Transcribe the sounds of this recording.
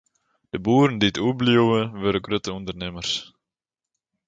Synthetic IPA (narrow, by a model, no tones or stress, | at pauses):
d̥əbuːɾəndiətʰuəbljuwəʋøɾəɡrøtəundərnɪmərs